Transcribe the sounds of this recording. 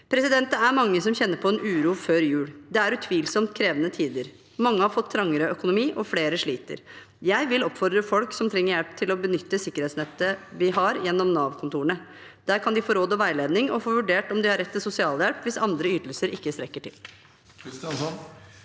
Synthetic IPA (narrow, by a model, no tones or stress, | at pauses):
pʰɾɛsɪd̪ɛnt̪əæɾmɑŋːəsɔmçɛnːəɾpʰɔɛnʔʉːɾuːføːɾjʉːɽd̪ɛæɾʉt̪ʰʋiːlsɔmt̪̚kʰɾeːʋənət̪ʰiːd̪əɾ | mɑŋːəhɑɾfɔt̪ʰːɾɑŋːəɾəœkʊnʊmiːʔɔfleːɾəʂɭiːt̪ə̰ɾ | jæɪʋɪlɔpːfɔɾd̪ɾəfɔlksɔmt̪ʰɾɛŋːəɾjælp̚t̪ʰɪlɔbənʏt̪ːəsɪkːəɾhɛːt̪snɛt̪ːəʋɪɦɑɾjɛnːɔmnɑːʋkʰʊnt̪ʰuːəɳə | d̪̥æːɾkʰɑnd̪ɪfoːɾoːd̪ɔʋæɪleːd̪nɪŋɔfoːʋʉɖeːʈɔmd̪ɪhɑɾːɛt̪ʰːɪlsʊsɪɑːljɛlpʋɪsɑnd̪ɾəyːt̪lsəɾʔɪkːəst̪ɾɛkːəʈʰɪl